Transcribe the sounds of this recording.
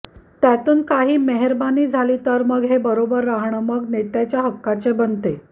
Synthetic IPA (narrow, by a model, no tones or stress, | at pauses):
t̪jat̪uːnkaɦiːmeɦəɾbaniːd͡zʱalit̪əɾməɡɦebəɾobəɾːaɦɳəməɡnet̪jat͡ɕjaɦəkːat͡sebənt̪e